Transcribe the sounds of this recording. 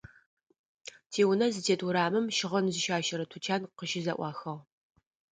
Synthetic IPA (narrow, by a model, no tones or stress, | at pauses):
tʰeːwʊnɐzɨtʰeːtʼuɾaːmɨmʃɪʁɐnzɨʃaːʃɐɾɐtʰut͡ʃʰaːnqəʃɪzɐ̰ʔʷɑːxɐʁ